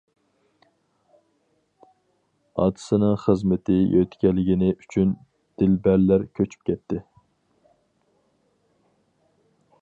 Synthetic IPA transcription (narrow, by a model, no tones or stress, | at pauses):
ɑ̰t̪ʰɨ̥sɨnɨŋχəzmɪt̪ʰɪjøt̪ʰkʲɛlːɪɡʲɪnɪʔyt͡ʃʰyn | d̪̥ɪlbæɾlæɾkʲʰøt͡ʃʰy̥p̚kʲʰɛt̪ːɪ